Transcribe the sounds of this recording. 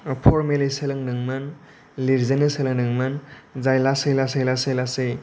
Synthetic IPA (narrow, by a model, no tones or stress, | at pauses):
pʰɔɾmeleselɯŋnɯŋmɯn | liɾzenɯselɯŋnɯŋmɯnzajlasɯjlasajlasejlasɯj